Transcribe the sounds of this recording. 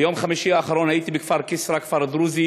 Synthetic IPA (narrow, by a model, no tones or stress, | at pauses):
jomχamiʃiaːχaɾonhajit̪ibekfaɾkisɾakfaɾd̪ɾuzi